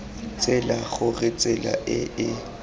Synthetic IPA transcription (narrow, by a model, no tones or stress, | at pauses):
t͡sʼɪlaɣʊrɪt͡sʼɪla̰ʔɪɪ